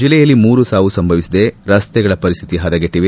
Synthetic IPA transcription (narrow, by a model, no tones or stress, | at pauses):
d͡ʒilːɛjɐlːimuːɾusaːʋusɐmbʱɐʋisid̪eɾɐst̪ɛɡɐɭɐpɐɾist̪ʰit̪iɦɐd̪ɐɡeʈːiʋe